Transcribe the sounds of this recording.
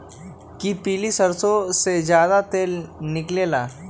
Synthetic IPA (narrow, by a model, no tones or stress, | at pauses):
kipiːlisəɾsosed͡ʒjaːd̪at̪eːlnɪkleːlaː